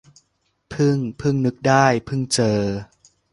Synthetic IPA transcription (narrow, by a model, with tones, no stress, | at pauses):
pʰɯ˥˩ŋpʰɯ˥˩ŋnɯ˦˥k̚daː˥˩jpʰɯ˥˩ŋt͡ɕɤː˧˩